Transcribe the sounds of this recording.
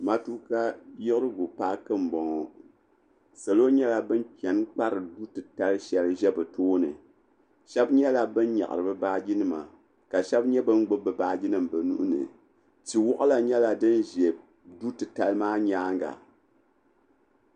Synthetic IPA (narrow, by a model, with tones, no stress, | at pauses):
ma˦tu˦ka˦jɪ˦kɨ˦ɾɨ˦ɡu˨pa˦kɨ˦m̩˨bɔ˨ŋɔ˨ | sa˨lo˦ɲɛ˦la˦bɨ˦npʲɛ˨nk͡pa˦ɾɨ˨du˦tɨ˨ta˦lʃɛ˦lʒɛ˦bɨ˨toː˦nɨ̰˨ | ʃɛ˦bɲɛ˦la˨bɨ˦n˦ɲa̰˨ʔɨ̰˨ɾɨ˨bɨ˦baː˦ɡi˦nɨ˦ma̰˨ | ka˨ʃɛ˦bɲɛ˦bɨ˦n˦ɡ͡bo˦bɨ˨baː˦ɡi˦nɨ˦mbɨ˨nṵ˦ʔʊ˦nɨ̰˨ | ti˨wɔ˦ʔa˦la˨ɲɛ˦la˨dɨ˦n˦ʒɛ˨b̚ | du˦tɨ˨ta˦lɨ˦maː˦ɲaː˦ŋ˦ɡa̰˨